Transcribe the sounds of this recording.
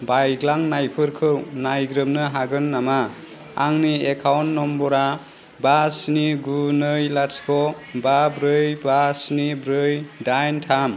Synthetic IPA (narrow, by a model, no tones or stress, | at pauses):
bajɡlaŋnajpʰɯɾkʰɯwnajɡɾɯmnɯɦaɡɯnːama | aŋniekʰawnːɔmbɔɾa | basniɡunɯjlaskʰɔ | babɾɯjbasnibɾɯjdajntʰam